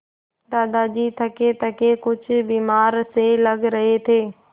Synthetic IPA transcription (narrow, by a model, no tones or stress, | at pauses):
d̪aːd̪ad͡ʑiːt̪ʰɐket̪ʰɐkekʊd͡ʑʱʊbiːmaːɾselɐɡɾɐɦet̪ʰeː